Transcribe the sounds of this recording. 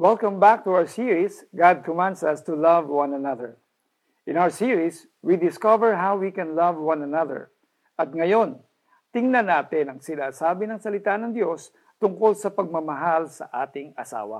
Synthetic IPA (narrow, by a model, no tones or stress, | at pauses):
wɛlkɐ̃mbak̚t̪ʊawə˞siɹis | ɡad̪̚kɔmãnd̪sɐst̪ʊlɐvwãnɐnɐðəɹ | ʔɪ̃nawə˞siɹis | wid̪ɪskɐvɛɹɦawwikɛnlɐvwãnɐnɐðə̰ɹ | ʔɐt̪̚ŋɐjo̞n | t̪ɪŋnɐnaːt̪ɪnɐŋsɪnaːsaːbɪnɐŋsɐlɪt̪anɐŋd̪jo̞s | t̪ʊŋko̞lsɐpɐɡ̚mɐmɐɦalsɐ̰ʔaːt̪ɪŋɐsa̰ːwɐ̰